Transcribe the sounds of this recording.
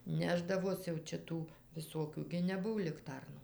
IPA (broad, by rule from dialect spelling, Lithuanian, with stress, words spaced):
ˈnʲæːʒdɐʋoːs jɛʊ ˈt͡ʃʲɛ ˈtuː ʋʲɪˈsoːkʲuː ɡʲɪ nʲɛˈbʊw lʲɪkˈtɐrnuː